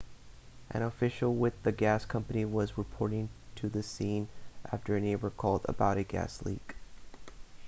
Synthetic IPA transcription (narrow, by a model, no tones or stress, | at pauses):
ʔɨ̰̃ñəfɪʃl̩ˠwɪðɨɡæskʰʌ̃mpɨniwʌzɹɨpʰɔɹɾɪ̃ŋtʰɨðɨsĩnʔæ̰ftə˞ɨneɪbə˞kʰɔlˠdə̰baʊɾɨɡæ̰slḭk